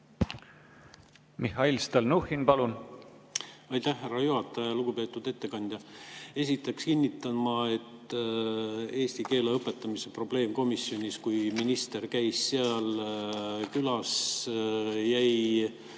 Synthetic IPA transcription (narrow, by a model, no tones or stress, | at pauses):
mihɑilst̪ɑlnuhinpɑlun | ɑjt̪æhːærːɑjuhɑt̪ːˑɑjɑjɑluɡ̥upe̞ːt̪ːˑud̪̥e̞t̪ːe̞kɑnʲd̪̥jɑe̞sit̪ːˑekskinʲːit̪ːˑɑnmɑe̞t̪ | e̞ːst̪ike̞ːleɤpːˑe̞t̪ːˑɑmisepro̞b̥le̞ːmko̞misːjo̞nʲiskujminist̪e̞rkæjsːeɑl | kylɑs | jæj